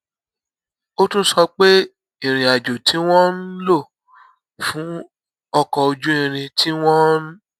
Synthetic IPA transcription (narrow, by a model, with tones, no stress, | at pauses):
o˦tũ˦sɔ˧k͡pe˦ | ĩ˦˨ɾ̃ĩ˨a˨d͡ʒo˨tʰi˨˦w̃ɔ̃˦n̩˦lo˦˨ | fũ˨˦ | ɔ˧kɔ˧o˧d͡ʒũ˦ĩ˧ɾ̃ĩ˧tʰi˦w̃ɔ̃˦n˦